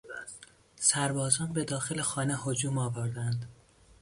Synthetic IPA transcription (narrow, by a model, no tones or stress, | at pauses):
sæɾbɒːzɒːnbe̞d̪ɒːxe̞lexɒːnehod͡ʒuːmɒːvoɾd̪ænd̪